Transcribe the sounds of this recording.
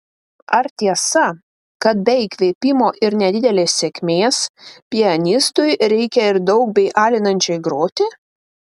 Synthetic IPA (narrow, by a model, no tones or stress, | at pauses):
ɐɾt̪ʲiɛsɐ | kɐt̪̚bʲɛɪkʲʋʲeːpʲɪmoːʔɪɾnʲɛd̪ʲɪd̪ʲɛlʲeːsːʲekʲmʲeːspʲɪɐnʲɪst̪ʊjɾʲɛɪkʲɛɪɾd̪ɒʊk̚bʲɛɪʔɑːlʲɪnɐnʲt͡ʃʲoɪɡɾoːt̪ʲɪ